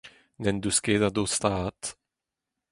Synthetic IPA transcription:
nɛnd̪uskeːd̪ad̪ost̪aːt̪

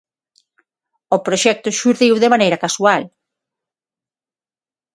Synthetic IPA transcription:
opɾoʃɛk̚t̪ʊʃuɾðiwðemanejɾɐkasual

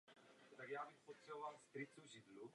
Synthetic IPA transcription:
t̪aɡjaːbɪxpot̪sɛbovalst̪ɾɪt͡suʒɪdlu

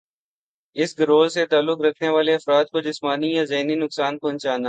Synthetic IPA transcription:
ɪsɡɐɾoːlset̪aːlːʊkɾɐkʰneʋaːleɐfɾaːd̪̚kod͡ʒɪsmaːnijazɐɦninʊksaːnpɔ̃ːnt͡ʃaːnaː

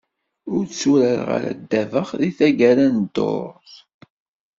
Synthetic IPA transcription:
ʊɾt͡sːuɾəɾʁa̰ɾæ̰d̪ːævəχðiθæɡæɾænd̪o̰ɾˤθ

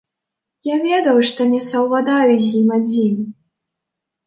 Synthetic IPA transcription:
javʲɛd̪ɐwʂt̪ɔnʲɛsɐwvad̪ajuzʲjimad͡zʲimʲ

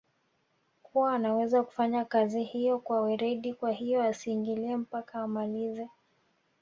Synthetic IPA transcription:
kʰuwaːnawɛzaku̥faɲakazihijɔkwawɛɾɛɗikwahijɔasiːŋɡiliɛm̩pakaːmalizɛ

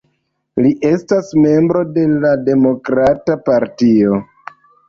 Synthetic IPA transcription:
liʔe̞stasme̞mbɾo̞de̞lade̞mo̞kɾatapaɾtio̞

